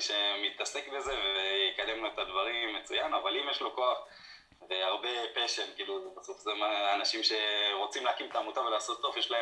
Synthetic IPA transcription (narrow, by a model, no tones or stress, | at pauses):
ʃe̞mit̪ase̞kbe̞ze̞vejekad̪emloet̪ad̪vaʁimːet͡sujanavalimjeʃlo̞ko̞aχ | veaʁbe̞peʃemkiːlubasofzemaanaʃimʃe̞ʁo̞t͡simleakimet̪aːmut̪avelaːso̞t̪ːo̞fjeʃlae